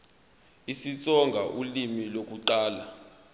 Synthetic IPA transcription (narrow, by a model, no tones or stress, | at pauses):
isit͡sʼɔŋɡʱaʔulimilok̬ʼuǃaːla